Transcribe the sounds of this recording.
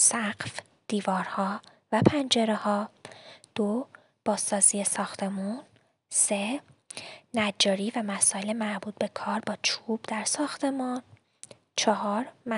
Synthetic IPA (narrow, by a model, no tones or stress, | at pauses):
sæɢf | d̪̥iːvɒːɾhɒː | væpʰænd͡ʒe̞ɾehɒːd̪̥o | b̥ɒːzːɒːziːesɒːxt̪ʰe̞mun | se | næd͡ʒɒːɾiːvæmæsɒːjelemæɾbuːt̪̚ʰbe̞kʰɒːɾbɒːt͡ʃʰubd̪æɾsɒːxt̪ʰe̞mɒːn | t͡ʃʰɒɦɒːɾm